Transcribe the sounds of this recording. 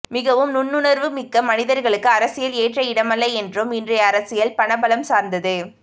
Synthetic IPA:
mɪɣɐʋɯmnʊnːɯnɐɾʋɯmɪkːɐmɐnɪðɐɾɣɐɭɯkːɯɐɾɐsɪjɐleːʈrɐɪɽɐmɐlːɐɪɛndrɯmɪndrɐjɐɐɾɐsɪjɐlpɐɳɐbɐlɐmsaːɾnd̪ɐðɯ

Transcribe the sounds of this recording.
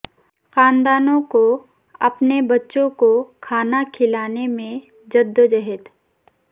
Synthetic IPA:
xãːnd̪aːnõko | ɐpnebɐtːʃõkokʰaːnakʰɪlaːnemẽ | d͡ʒɐd̪ːəd͡ʒɐɦɛt̪

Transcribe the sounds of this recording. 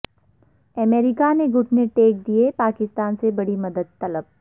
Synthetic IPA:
ɐmeːɾɪkaneɡʊʈʰneʈeːk̚d̪iepaːkɪst̪aːnsebɐɽimɐd̪əd̪̚t̪ɐləb̚

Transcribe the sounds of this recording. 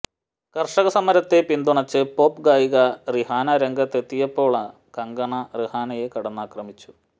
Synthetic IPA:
kɐrʂɐɣɐsɐmɐɾɐt̪ːe̞pind̪uɳɐt͡ɕːɨpo̞ːpɡaːjiɣɐrihaːnɐɾeŋɡɐt̪ːe̞t̪ːijɐpːo̞ːɭɐ | kɐŋɡɐɳɐrihaːnɐjekɐɽɐnːaːkrɐmit͡ɕːu̥

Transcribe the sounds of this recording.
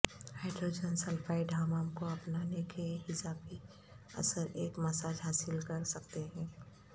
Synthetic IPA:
haɪɖɾoːd͡ʒənsɐlfaːiɖʱaːmaːmkoɐpnanekeɦɪsaːpi | ɐ̰səɾeːkmɐsaːd͡ʒɦaːsɪlkɐɾsɐk̚t̪eɦɛ̃ː

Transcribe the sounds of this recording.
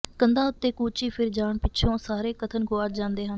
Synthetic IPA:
kənd̪ãːʊt̪ːeːkuːt͡ʃiːpʰɪɾd͡ʒaːɳpɪːʃʰõːsaːɾeːkət̪ʰənɡoːaːɾd͡ʒãːnd̪eːɦən

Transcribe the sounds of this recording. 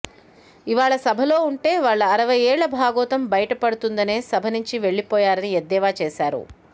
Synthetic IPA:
iʋaːɭɐsɐbʱɐlo̞ːuɳʈe̞ːʋaːɭːɐːɾɐʋɐjeːɭːɐbʱaːɡɔːt̪ɐmbɐjɐʈɐpɐɽut̪und̪ɐne̞ːsɐbʱɐnuɲt͡ʃiʋe̞ɭːipɔːjaːɾɐnied̪ːɛːʋaːt͡ʃeːsaːɾṵ

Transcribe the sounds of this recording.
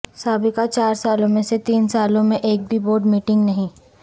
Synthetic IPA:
saːbɪkat͡ʃaːɾsaːlõmẽset̪iːnsaːlõmẽʔeːk̚bʱiboːɾɖmiːʈɪ̃ŋɡnɐɦĩ

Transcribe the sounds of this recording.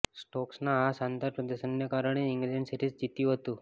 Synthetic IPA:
sʈɔksnaɦasant̪aɾpɾəd̪əɕənjəkaɾəɳ̃eiŋɡɾid͡ʑəɳʈsiʈiːt͡sd͡ʑit̪jũɦot̪u

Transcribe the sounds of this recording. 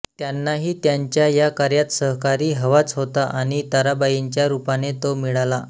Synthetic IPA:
t̪janːaɦiːt̪jaɲt͡ɕjajakaɾjat̪səɦkaɾiːɦəʋat͡sɦot̪aʔaɽ̃it̪aɾabajiɲt͡ɕjaɾupanet̪omiɭala

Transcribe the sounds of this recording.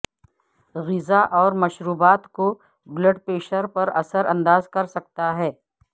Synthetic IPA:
ɣɪzaʔɔːɾmɐʃɾuːbaːt̪ko | bləɖpeːʃəɾpɐɾɐsəɾɐ̃nd̪aːzkɐɾsɐk̚t̪aɦɛː

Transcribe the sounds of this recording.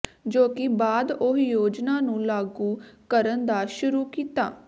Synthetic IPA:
d͡ʒoːkɪbaːd̪oɦjoːd͡ʒnaːnũːlaːɡuːkəɾənd̪aːʃʊɾuːkiːt̪a̰ː

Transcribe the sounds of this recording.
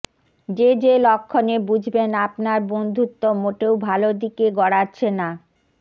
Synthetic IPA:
d͡ʑed͡ʑelɔkʰːonebud͡ʑʱbenapnaɾbond̪ʱut̪ːomoʈewbʱalod̪ikeɡɔɽatːɕʰena

